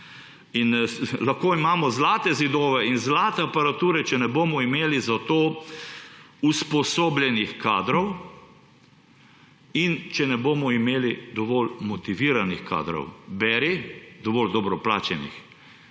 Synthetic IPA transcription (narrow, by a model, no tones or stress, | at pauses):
inlaxkoːimaːmɔzlaːt̪ɛzid̪ɔːʋɛinzlaːt̪ɛapaɾat̪uːɾɛt͡ʃɛnɛboːmɔimeːlizat̪oː | uspɔsoːblʲjɛnixkaːd̪ɾɔw | int͡ʃɛnɛboːmɔimeːlid̪ɔʋɔːlmɔt̪iʋiːɾanixka̰ːd̪ɾɔ̰wbɛɾid̪ɔʋɔːld̪ɔbɾɔplaːt͡ʃɛnḭx